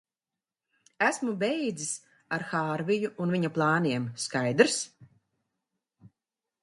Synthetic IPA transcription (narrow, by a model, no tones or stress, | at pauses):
æsmubɛjd̪zis | aɾxaːɾvijuːnviɲaplˠɑːniɛmskajd̪ɾs